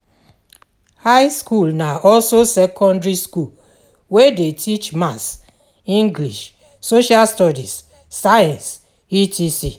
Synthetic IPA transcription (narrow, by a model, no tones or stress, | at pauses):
haɪskulnaɔlsosɛkʰɔ̃ndɹiskul | wedetʰit͡ʃmas | ĩŋɡliʃ | soʃalstɔdis | sajãns | itʰisi